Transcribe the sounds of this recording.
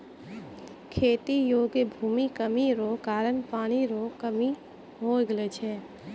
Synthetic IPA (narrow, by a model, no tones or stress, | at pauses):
kʰeːt̪ijoːɡebʱuːmikəmiɾokaːɾənpaːɽ̃iɾokəmi | ɦoɡlet͡ʃʰɛ